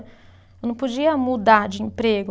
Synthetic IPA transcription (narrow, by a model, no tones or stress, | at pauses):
ewnɐ̃w̃pod͡ʒiɐmud̪aɾd͡ʒɪĩpɾeɡʊ